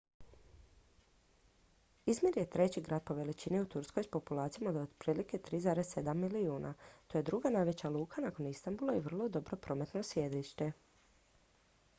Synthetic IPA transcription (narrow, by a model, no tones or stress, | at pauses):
izmʲjiɾjet̪ɾe̞t͡ɕiɡɾaːd̪̚po̞ʋe̞lit͡ɕiniut̪uɾsko̞jspo̞pulˠaːt̪sijamod̪ood̪pɾiːlike̞t̪ɾiːzaːɾezse̞d̪amːiliuːnʔa̰t̪oje̞d̪ɾuɡanajʋe̞t͡ɕaluːkʰanako̞nist̪ambulˠaiʋr̩lˠo̞d̪o̞bɾo̞pɾo̞me̞t̪nosʋjed̪ɾiʃt̪e